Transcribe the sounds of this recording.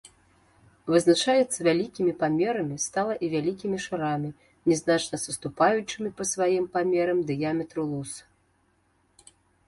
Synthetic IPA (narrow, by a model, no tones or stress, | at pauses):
vɨznat͡ʂajɛt̪sːɐvʲalʲikʲimʲipamʲɛɾɐmʲist̪alˠɐʔivʲalʲikʲimʲiʂɨɾamʲi | nʲɛznat͡ʂnɐsɐst̪upajut͡ʂɨmʲipɐsvajimpamʲɛɾɐmd̪ɨjamʲɛt̪ɾɨlˠus